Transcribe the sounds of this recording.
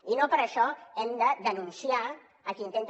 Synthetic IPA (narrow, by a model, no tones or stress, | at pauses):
inopəɾəʃɔɛmd̪əd̪ənunsiaː | kint̪ent̪